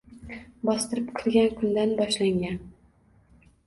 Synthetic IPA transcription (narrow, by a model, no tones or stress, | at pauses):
bɒst̪ɨɾɪpqʰɨlˠɡʲankʰʊnd̪anbɒʃlaŋɡʲan